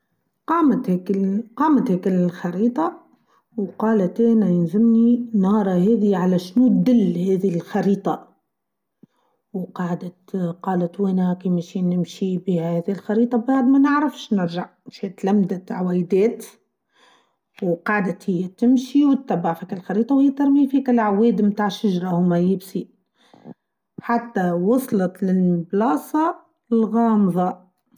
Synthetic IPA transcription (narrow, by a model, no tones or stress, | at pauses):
qɑːmat̪hkqɑːmat̪heːkɪxɑɾiːt̪ˤɑ | wqɑːlat̪eːnajɪnzɪmninɑːɾˤɑheːðiʕalaʃnut̪̚d̪ɪlːheːðilxɑɾiːt̪ˤɑ | wqɑːʕd̪at̪qɑːlat̪weːnhakiːmaʃiːnɪmʃibihæhæːðiɪlxɑɾiːt̪ˤɑbbaʕd̪mænɪʕɾafʃnɪɾʒaʕnʃiːt̪læmd̪at̪ʕawɛːjd̪ɛːt̪ | wqɑʕd̪at̪hɪjːat̪ɪmʃiwt̪ːæbːaʕfiːkalxɑɾiːt̪ˤɑwhɪjːæt̪ɑɾmiːfiːkælʕaweːd̪mt̪aːʕʃaʒɾˤɑhʊmajɪbsi | ħat̪ːawɑsˤlɑt̪lɪlblɑːsˤɑ | lɣɑːmðˤɑ